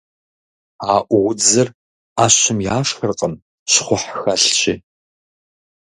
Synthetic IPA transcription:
aːʔʷʁʷʊd͡zɐr | aːɕɪmjaːʂxərqʼəm | ɕχʷʊħxɐɬt͡ʃʰʼɪ

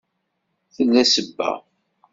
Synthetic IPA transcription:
θənːæsəbːæ̰

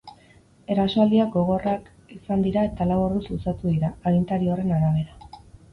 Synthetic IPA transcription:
e̞ɾasoald̪iak̚ɡo̞ɣ̞o̞rak | isand̪iɾae̞t̪alaworðususat̪uðiɾaːɣint̪aɾiore̞naɾaβ̞e̞ɾa

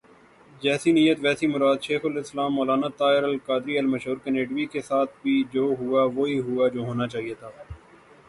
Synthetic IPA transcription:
d͡ʒɛːsinijət̪ʋɛːsimʊɾaːd̪ʃeːxʊlɪslaːmːɔːlaːnat̪aːɪɾəlkaːd̪ɾiɐlmɐʃɦuːɾkeneːɖʋikesaːt̪ʰbʱid͡ʒoːɦʊaʋoːiɦʊad͡ʒoːɦoːnat͡ʃaːɦiet̪ʰaː

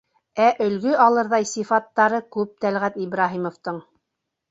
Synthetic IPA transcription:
æʔɵ̆lɡɵɑlˠɤ̆ɾðɑjsifɑt̪ːɑɾɤkʉp̚t̪ælʁæt̪ibɾɑɦimŏft̪ɤɴ

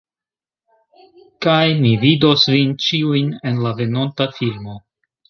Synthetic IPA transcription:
kajmivido̞svint͡ʃiujne̞nlave̞no̞ntafilmo̞

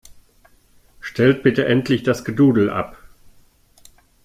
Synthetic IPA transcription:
ʃtʰɛlt̚b̥ɪtəʔɛntʰlɪçd̥asɡ̥əduːdl̩ʔa̰p

